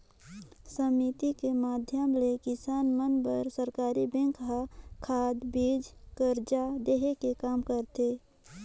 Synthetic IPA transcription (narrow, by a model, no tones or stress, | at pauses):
səmit̪ikemaːd̪ʱjəmlekɪsaːnmənpəɾsəɾkaːɾibɛ̃ŋkʰɦakʰaːd̪biːd͡ʒkəɾd͡ʒad̪eɦekekaːmkəɾt̪e